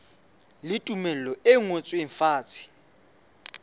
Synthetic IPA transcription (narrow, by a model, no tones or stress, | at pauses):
lɪtʼumɛl̩lɔeŋot͡sʼweɱfaːt͡sʰi̥